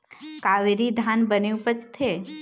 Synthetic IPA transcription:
kaʋeɾid̪ʱanbəneũpət͡ʃt̪ʰe

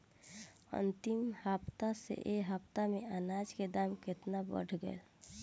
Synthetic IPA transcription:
ə̰nt̪imhapt̪asḛʔeɦəpt̪ameanad͡ʒked̪amket̪nabə̰ɽʱɡə̰el

